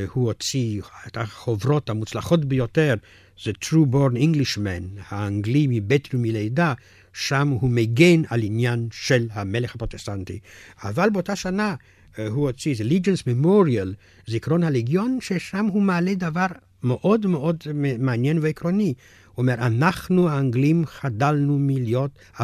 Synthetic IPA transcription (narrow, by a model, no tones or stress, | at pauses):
huhot͡siet̪aχovʁo̞thamut͡slaχo̞tbejoteʁ | zetɾuboɾniŋɡliʃmenhaːŋɡlimibet̪ɾumilejda | ʃamhumeɡenalinjanʃelhame̞leχapʁot̪estantḭa̰valbeotaʃana | huhot͡sizelid͡ʒensmemoɾial | zikʁonhaleɡjonʃeʃamɦumaːled̪avaʁ | meʔod̪meʔodmeanjenveekʁoni | uomeʁanaχnuaːŋɡlimχadalnumiljot | a